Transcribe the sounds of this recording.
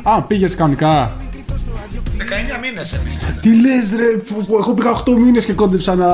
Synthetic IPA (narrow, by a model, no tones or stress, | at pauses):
ɐpiʝeskɐnikɐ | ðekɐeɲɐminesepist̪ilezðɾepeɣo̞piɣɐoxt̪o̞mine̞scekond̪epsɐnɐ